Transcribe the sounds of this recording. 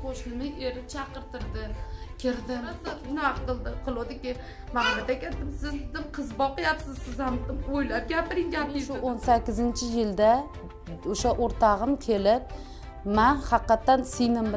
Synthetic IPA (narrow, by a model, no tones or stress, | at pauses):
qʰoʃlɪmɪeɾɪt͡ʃʰɑqɨɾt̪ɪɾd̪ɪkʲʰɪɾd̪ɪanɪmaqqɨlˠd̪ɪqʰɨlˠod̪ɪkʲɪ | mamat̪akʲet̪d̪ɪmsɪzd̪ɪmqʰɨzbɒqɨjapsɪzsɪzhamojlap̚ɡʲapɪɾɪŋɡʲapiʃʊonsakʲːɪzɪnt͡ʃʰɪjɪld̪a | oʃaʔoɾt̪ʰɑʁɨmkʲʰe̞lɪp̚ | manhɑqːɑt̪ʰːansɪjnɪm